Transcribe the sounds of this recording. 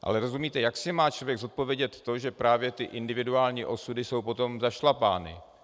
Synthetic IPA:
ʔa̰lɛɾo̞zumiːt̪ɛjaksɪmaːt͡ʃlo̞vjɛɡzo̞t̪̚po̞vjɛɟɛt̪ːo̞ʒɛpɾaːvjɛt̪ɪʔɪndɪvɪduaːlɲiːʔo̞sudɪso̞wpo̞t̪o̞mzaʃlapaːnɪ̰

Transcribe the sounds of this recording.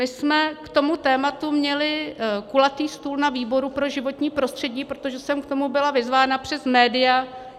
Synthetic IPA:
mɪsmɛkt̪o̞mut̪ɛːmat̪umɲɛlɪkulat̪iːst̪uːlnaviːbo̞ɾupɾo̞ʒɪvo̞t̪ɲiːpɾo̞st̪r̥ɛɟiːpɾot̪o̞ʒɛsɛmkt̪o̞mubɪlavɪzvaːnapr̝̥ɛsmɛːdɪja

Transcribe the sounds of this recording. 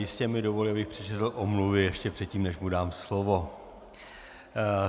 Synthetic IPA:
jɪscɛmɪdovolɪabɪxpr̥ɛt͡ʃɛt̪l̩ʔomluvɪjɛʃcɛpr̝̥ɛt̪̚ciːmnɛʃmudaːmslovo̞

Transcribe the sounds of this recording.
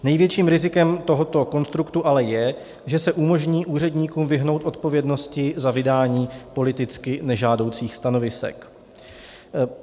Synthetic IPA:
nɛjvjɛt͡ʃiːmɾɪzɪkɛmt̪o̞ɦo̞t̪o̞ko̞nst̪ɾukt̪uʔalɛjɛ | ʒɛsɛʔumo̞ʒɲiːʔuːr̝ɛdɲiːkuːmvɪɦno̞wt̪ʔo̞t̪̚po̞vjɛdno̞scɪzavɪdaːɲiːpo̞lɪt̪ɪt͡skɪnɛʒaːdo̞wt͡siːxst̪ano̞vɪsɛ̰k

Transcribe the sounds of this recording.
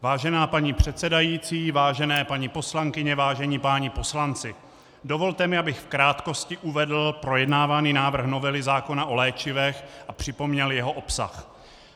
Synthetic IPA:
vaːʒɛnaːpaɲiːpr̝̥ɛt̪sɛdajiːt͡siːvaːʒɛnɛːpaɲiːpo̞slaŋkɪɲɛvaːʒɛɲiːpaːɲipo̞slant͡sɪ | do̞vo̞lt̪ɛmɪabɪxfkɾaːt̪ko̞scɪʔuvɛdl̩pɾo̞jɛdnaːvaniːnaːvr̩xno̞vɛlɪzaːko̞naʔo̞lɛːt͡ʃɪvɛxʔapr̝̥ɪpo̞mɲɛljɛɦo̞ʔo̞psa̰x

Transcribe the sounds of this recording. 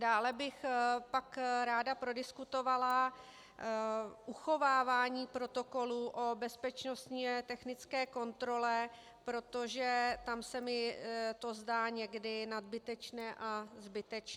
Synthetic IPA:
daːlɛbɪxpakɾaːdapɾo̞dɪskut̪o̞vala | ʔuxo̞vaːvaːɲiːpɾo̞t̪o̞ko̞luʔobɛspɛt͡ʃno̞st̪ɲiɛt̪ɛxnɪt͡skɛːko̞nt̪ɾo̞lɛ | pɾo̞t̪o̞ʒɛt̪amsɛmɪt̪o̞zdaːɲɛɡdɪnad̪̚bɪt̪ɛt͡ʃnɛːʔazbɪt̪ɛt͡ʃ

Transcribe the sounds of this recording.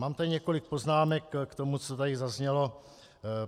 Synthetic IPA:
maːmt̪adɪɲɛko̞lɪk̚po̞znaːmɛkːt̪omut͡sot̪adɪzazɲɛlo̞

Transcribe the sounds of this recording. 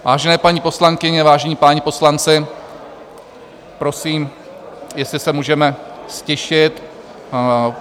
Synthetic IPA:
va̰ːʒɛnɛːpaɲiːpo̞slaŋkɪɲɛvaːʒɛɲiːpaːɲɛpo̞slant͡sɪ | pɾo̞siːm | jɛslɪsɛmuːʒɛmɛscɛʃɪt̪

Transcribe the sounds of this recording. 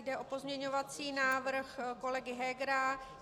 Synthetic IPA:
jdɛʔo̞po̞zmɲɛɲo̞vat͡siːnaːvr̩xko̞lɛɡɪɦɛɡɾa

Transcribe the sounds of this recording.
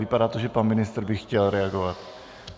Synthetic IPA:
vɪpadaːt̪oʒɛpanmɪnɪst̪r̩bɪxcɛlɾɛaɡovat̪

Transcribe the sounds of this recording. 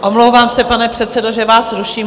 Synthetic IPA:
ʔomlowvaːmsɛpanɛpr̥ɛt̪t͡sɛdoʒɛvaːsɾuʃiːm

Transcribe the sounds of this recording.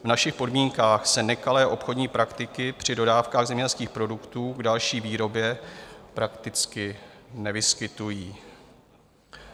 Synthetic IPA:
vnaʃɪxpo̞dmiːŋkaːxsɛnɛkalɛːʔo̞pxo̞dɲiːpɾakt̪ɪkɪpr̝̥ɪdo̞daːfkaːɣzɛmɲɛɛlskiːxpɾo̞dukt̪uːɡdalʃiːviːɾo̞bjɛpɾakt̪ɪt͡skɪnɛvɪskɪt̪ujiː

